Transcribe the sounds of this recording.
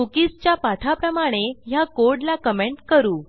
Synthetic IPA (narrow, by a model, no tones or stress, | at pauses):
ukist͡ɕjapat̪ʰapɾəmaɽ̃ejakoɾɽlakəmeɳʈkəɾuː